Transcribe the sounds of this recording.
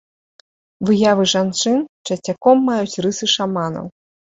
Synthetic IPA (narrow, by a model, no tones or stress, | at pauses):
vɨjavɨʐant͡ʂɨnt͡ʂɐt͡sʲakɔmːajut͡sʲɾɨsɨʂamanɐ̰w